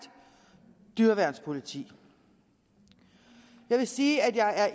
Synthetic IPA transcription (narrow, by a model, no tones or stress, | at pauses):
d̥ | d̥yɐʋæɐ̰nspʰo̝lit͡sʰḭː | jɑ̈ɪʋe̝siːæd̥jɑ̈ɪʔæɐʔ